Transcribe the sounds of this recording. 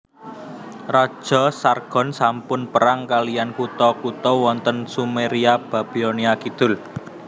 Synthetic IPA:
rɔd̥ʒ̥ɔ̤sarɡ̥ɔ̤nsampʊnpəɾaŋkalijankut̪ɔkut̪ɔwɔnt̪ənsumeɾiab̥a̤b̥ioniakid̪̥ʊ̤l

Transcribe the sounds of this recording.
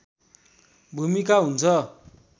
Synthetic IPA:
bʱumikaɦunt͡sʰʌ

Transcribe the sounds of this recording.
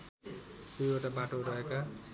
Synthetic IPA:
t̪ujeʈabaʈoɾʌɦeka

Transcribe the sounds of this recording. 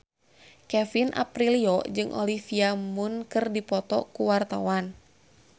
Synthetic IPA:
kɛfinʔa̰pɾiliɔd͡ʒɨŋʔɔ̰lifiamunkɨrdipɔt̪ɔ̰kuwart̪awan

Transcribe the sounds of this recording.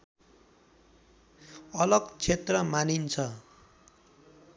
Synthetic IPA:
ʌlʌɡt͡sʰet̪rʌmanint͡sʰʌ

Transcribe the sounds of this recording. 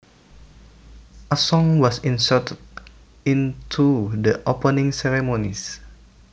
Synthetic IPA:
əsɔ̃ŋwɔsĩnsətəd | ĩntʰudəʔopənĩŋsɛɹɛmonis

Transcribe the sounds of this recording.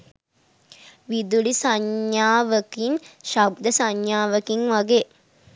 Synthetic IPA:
ʋid̪ulisaɲjaːʋəkiŋʃab̚d̪əsaɲjaːʋəkiŋʋaɡeː

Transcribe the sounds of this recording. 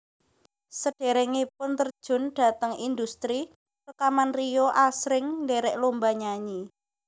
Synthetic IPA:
səɖ̥e̤ɾɛŋipʊnt̪ərd̥ʒ̥ʊ̤nɖ̥a̤t̪əŋind̪ust̪ɾi | rəkamanrijoʔasɾɪŋnd̪eɾɛʔlombaɲaɲi

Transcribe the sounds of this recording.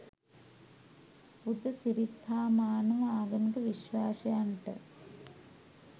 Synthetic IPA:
pud̪ɐsiɾid̪ʱːaːmaːnɐʋɐaːɡɐmiɡɐʋiɕʋaːʂɐjɐɳʈɨ̰

